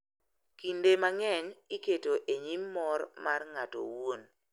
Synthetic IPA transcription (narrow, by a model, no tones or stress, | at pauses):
kindemaŋɛɲɪketoʔeɲimːɔrmarŋato̰won